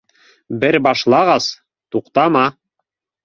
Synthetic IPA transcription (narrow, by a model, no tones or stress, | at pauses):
bɘɾbɑʃlˠɑʁɑs | t̪uqt̪ɑmɑ